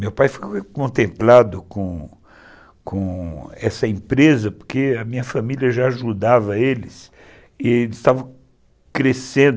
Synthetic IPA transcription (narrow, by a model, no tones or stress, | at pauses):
mewpajfokõnt̪ẽmplad̪ʊkõ | kõɛsɐẽpɾezɐpoɾkeɐmĩɲɐfamiliɐʒaːʒud̪avɐelɪs | ɪɪst̪avɐ̃ | kɾesẽnd̪